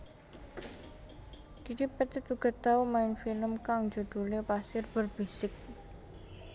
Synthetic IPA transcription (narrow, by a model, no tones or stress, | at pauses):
ɡ̥ikipət̪it̪uɡ̥ə̤t̪aumaɪnfiləmkaŋd͡ʒo̤d̪̥ulepasɪrb̥ərb̥isɪk̚